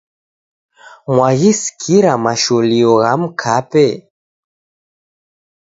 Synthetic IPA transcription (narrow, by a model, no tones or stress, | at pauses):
mwaɣiskʰiɾamaʃɔliɔɣam̩kʰapɛ